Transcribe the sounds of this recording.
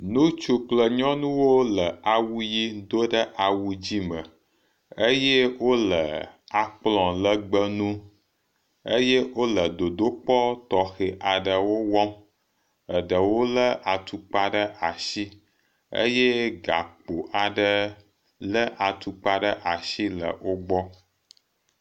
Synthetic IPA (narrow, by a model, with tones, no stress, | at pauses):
nũ˦t͡ʃu˦k͡plə˨ɲɔ̃˦nũ˦wo˦lə˨a˨wu˦ji˦d̪o˦ɖə˦ʔa˨wu˦d͡ʑi˦mə̃˨ | ə˦je˦wo˦lə̰˨a˨k͡plɔ̃˨lə˦ɡ͡bə˦nũ˦ | ə̰˦je˦wo˦lə˨d̪o˨d̪o˦k͡pɔ˦t̪ɔ˨xe˨ʔa˨ɖə˨wo˦wɔ˦m | ə˨ɖə˨wo˦lə˦ʔa˨t̪u˨k͡pa˦ɖə˦ʔa˨ʃi˦ | ə̰˦je˦ɡa˨k͡po˨ʔa˨ɖə˦ | lə˦ʔa˨t̪u˨k͡pa˦ɖə˦ʔa˨ʃi˦lə̰˨wo˦ɡ͡bɔ˦